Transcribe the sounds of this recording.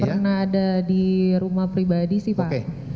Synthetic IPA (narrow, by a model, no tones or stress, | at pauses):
pərnahːdadiɾumahpɾibadisɪhpaʔe